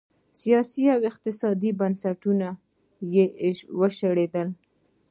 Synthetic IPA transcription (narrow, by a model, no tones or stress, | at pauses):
sijɑsiawɪq̚t̪ɪsɑd̪ibansaʈuna | jewəʃəɽed̪əl